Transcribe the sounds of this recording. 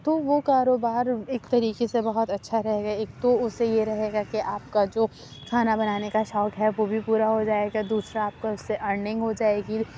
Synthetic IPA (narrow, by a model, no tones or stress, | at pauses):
t̪oʋokaːɾoːbaːɾeːkt̪ɐɾiːkesebɐɦʊt̪ɐtːʃʰaɾɛɦeːɡaeːk̚t̪oʊsːejeɾɐɦeːɡakiʔaːp̚kad͡ʒoː | kʰaːnabɐnaːnekaʃɔːkɦɛʋobʱipuːɾaɦod͡ʒaːeɡad̪uːsɾaːp̚kaʊsːeʔɐɾnɪ̃ŋɡɦod͡ʒaːeːɡi